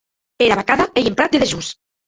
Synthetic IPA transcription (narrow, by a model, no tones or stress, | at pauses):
eɾaβakaðaejempɾat̪̚d̪eðeʒus